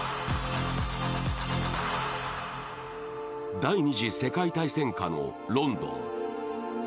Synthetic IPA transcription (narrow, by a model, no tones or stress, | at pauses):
d̪aiɲ̟iʑise̞kait̪aisẽ̞ŋkano̞̰ | ɾõ̞nd̪õ̞̰ŋ